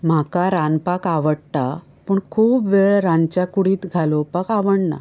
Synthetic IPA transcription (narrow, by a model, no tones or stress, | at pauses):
m̤akaɾanpakaʋəɽt̪a | pəɳkʰuːpʋeɭɾant͡ɕakuɽiːt̪ɡʱalopakaʋəɳna̰